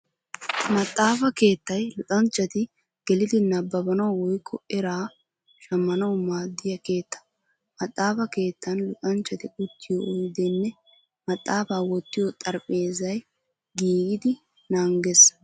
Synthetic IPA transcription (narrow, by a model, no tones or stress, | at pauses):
mɐt̪ʼːaːfɐke̞ːt̪ːɐjlʊt̪ʼɐnt͡ʃːɐt̪ɪ | ɡ̥ɛlɪd̪ɪnɐbːɐbɐnɐwwɔjkʰːɔɛɾaː | ʃɐmːɐnɐwmaːd̪ːɪjɐke̞ːt̪ːɐ̥ | mɐt̪ʼːaːfɐke̞ːt̪ːɐnlʊt̪ʼɐnt͡ʃːɐt̪ɪʔʊt̪ːɪjɔʔɔjd̪ɛnːɛ | mɐt̪ʼːaːfaːwɔt̪ːɪjɔt̪ʼɐɾpʼe̞ːzɐj | ɡiːɡɪd̪ɪ | naːŋɡɛs